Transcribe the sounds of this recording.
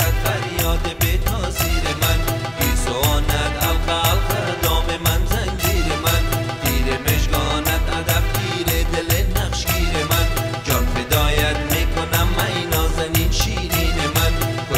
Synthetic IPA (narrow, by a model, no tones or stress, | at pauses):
æt̪̚fæɾijɒːt̪ʰebet̪ʰɒːziːɾemæn | bizoɔːnæt̪ælqælt̪ʰæɾd̪ɒːmemænzæŋd͡ʒiːɾemænɡ̪iːɾebeʃɡɒnæt̪æd̪æb̚kʰiːɾed̪elenæχʃɡiːɾemænd͡ʒɒːnfed̪ɒːjæt̪mikʰonæmːæiːnɒːzæniːnʃiːɾiːnemæn